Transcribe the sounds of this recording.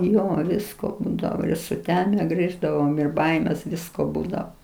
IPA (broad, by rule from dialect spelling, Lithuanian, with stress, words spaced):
ˈjoː ˈʋʲɪskoː ˈbuːdɐʋoː ɪr sʊˈtʲæːmʲɛ ˈɡrʲiːʒdɐʋoːm ɪr ˈbɐɪmʲeːs ˈʋʲɪskoː ˈbuːdɐoː